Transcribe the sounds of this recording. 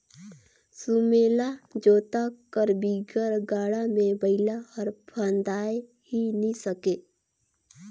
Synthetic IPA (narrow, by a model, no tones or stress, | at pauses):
sumelad͡ʒoːt̪akəɾbiɡəɾɡaːɽamebəɪlaəɾpʰənd̪aːe | ɦinisəke